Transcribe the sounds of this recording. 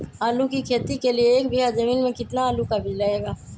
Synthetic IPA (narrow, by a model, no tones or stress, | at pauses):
aːlukikʰeːt̪ikelieːk̚bʱiɦad͡ʒɐmiːnmẽkɪt̪naaːlukabʱilɐeːɡaː